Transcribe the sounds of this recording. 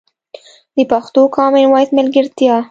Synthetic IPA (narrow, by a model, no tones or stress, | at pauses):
d̪əpaxt̪okʰɑmɪnwɑjt̪mɪlɡɪɾt̪jɑ